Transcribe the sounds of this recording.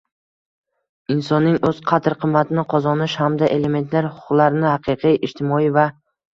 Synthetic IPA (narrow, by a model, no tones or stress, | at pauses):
ɪnsɒnːɪŋɵz̥qʰat̪ɾqʰɨmːat̪ʰɪnɪqʰɒzɒnɪʃhamd̪aʔe̞le̞me̞nt̪laɾhʊ̥ʊqlˠaɾɪnɪhɑqʰɨqʰijʔɪʃt̪ʰɪmɒiva